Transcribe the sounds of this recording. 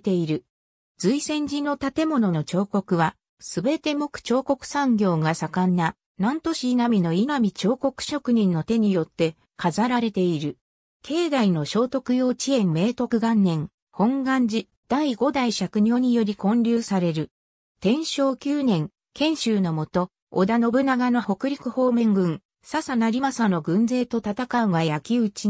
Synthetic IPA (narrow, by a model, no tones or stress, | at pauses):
t̪e̞iɾɯ̟ | d͡zɨisẽ̞ɲ̟d͡ʑinːo̞t̪at̪e̞mo̞no̞not͡ɕo̞ːko̞kɯ̟βa | sɨbe̞t̪e̞mo̞kɯ̟̥t͡ɕo̞ːko̞kɯ̟̥sãŋɡʲo̞ːɡasakanːa | nãnt̪o̞ɕiːnamʲino̞inamʲit͡ɕo̞ːko̞kɯ̟̥ɕo̞kɯ̟ɲ̟ĩnːo̞t̪e̞ɲ̟ijo̞t̪ːe̞ | kazaɾaɾe̞t̪e̞iɾɯ̟ | kʰe̞ːd̪aino̞ɕo̞ːt̪o̞kɯ̟jo̞ːt͡ɕiẽ̞mːe̞ːt̪o̞kɯ̟ɡãnːẽ̞ŋ | hõ̞ŋɡãɲ̟d͡ʑi | d̪̥aiɡo̞d̪aiɕakɯ̟ɲ̟ʲo̞ːɲ̟ijo̞ɾʲikõ̞ɲɾʲɨːsaɾe̞ɾɯ̟ | t̪ẽ̞ɰ̃ɕo̞ːkʲɨːnẽ̞ŋ | kẽ̞ɰ̃ɕɨːno̞mo̞t̪o̞̰ː | d̪ano̞bɯ̟naɡano̞ho̞kɯ̟ɾʲikɯ̟ho̞ːmẽ̞ŋɡɯ̟̃ŋ | sasanaɾʲimasano̞ɡɯ̟̃nd͡ze̞ːt̪o̞t̪at̪akaɯɡajakʲiɯ̟t͡ɕi